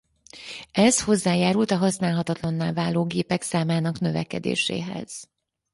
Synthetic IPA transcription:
ɛzho̞zːaːjaːɾult̪ɒɦɒsnaːlɦɒt̪ɒt̪lɒnːaːlvaːloːɡeːpɛksaːmaːnɒknø̞vɛ̰kɛ̰d̪ḛːʃḛːɦɛ̰z̥

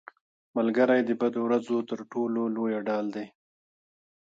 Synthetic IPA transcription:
malɡaɾajd̪əbad̪owɾazot̪əɾʈololojaɖɑːld̪e

